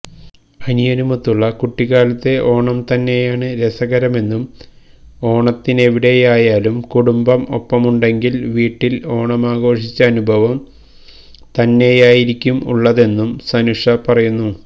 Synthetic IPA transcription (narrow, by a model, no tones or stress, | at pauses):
ɐnijɐnumɐt̪ːuɭːɐkuʈːiɣaːlɐt̪ːe̞ʔo̞ːɳɐmt̪ɐnːe̞jaːɳɨɾe̞sɐɣɐɾɐme̞nːum | o̞ːɳɐt̪ːine̞ʋiɽe̞jaːjaːlumkuɽumbɐmo̞̰pːɐmuɳɖe̞ŋɡilʋiːʈːilo̞ːɳɐmaːɡo̞ːʂit͡ɕːɐːnubʱɐʋɐm | t̪ɐnːe̞jaːjiɾikʲːumṵɭːɐðe̞nːumsɐnuʂɐpɐrɐjunːu